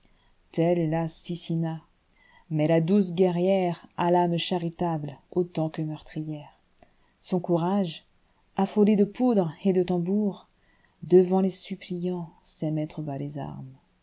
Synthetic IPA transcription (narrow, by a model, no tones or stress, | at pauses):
t̪ɛlːasisina | mɛlad̪usɡʲɛʁjɛʁalamʃaʁit̪ablot̪ɑ̃kəmœʁt̪χijɛʁ | sɔ̃kuʁaʒ | afoled̪əpud̪ʁed̪ət̪ɑ̃buʁ | d̪əvɑ̃lesyplijɑ̃sɛmɛt̪χəbaleza̰ʁm